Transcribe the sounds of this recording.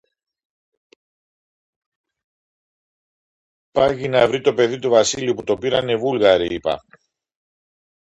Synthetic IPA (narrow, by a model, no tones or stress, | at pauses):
pɐʝinɐvɾit̪o̞pe̞ðit̪uvɐsiliuput̪o̞piɾɐne̞vulɣɐɾiipɐ̰